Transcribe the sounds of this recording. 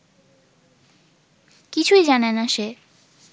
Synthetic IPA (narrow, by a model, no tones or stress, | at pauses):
kit͡ɕʰuid͡ʑanenaʃe